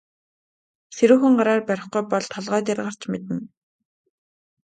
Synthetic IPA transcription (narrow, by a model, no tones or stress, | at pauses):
seɾuːxɘ̆ɴɢaɾaːrpæɾʲɪ̆χɡujpɔɮt̪ʰɔɮʁœːt̪̬arʁɢər̥t͡ɕmet̪ɘ̆n